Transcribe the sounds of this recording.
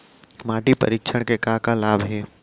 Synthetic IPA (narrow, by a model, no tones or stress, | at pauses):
maːʈipɐ̰ɾikʃʰəɽ̃kekaːkalaːbɦɛː